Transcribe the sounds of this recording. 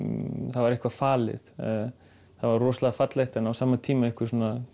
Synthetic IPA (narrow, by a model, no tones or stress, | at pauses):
θavaɾɪhkvafaːlɪ̰ð | θavaɾrɔːslaɣafat̪lejht̪ɛnawsaːmat̪ʰiːmaɪhkvɪɾsɔːna